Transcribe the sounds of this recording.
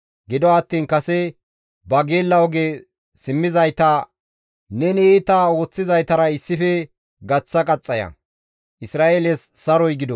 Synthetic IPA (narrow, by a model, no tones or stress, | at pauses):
ɡɪd̪ɔɐt̪ːiːnkɐsɛ | bɐɡeːlːɐwɔɡe | sɪmːɪzɐjt̪a | nɛnɛeːt̪ao̞ːt͡sːɪzɐjt̪ɐɾɐɪsːɪfɛ | ɡɐt͡sːɐkʼɐt͡sʼːɐjɐ̰ | ʔɪsɾaːeːlɛsːɐɾɔjɡɪd̪ɔ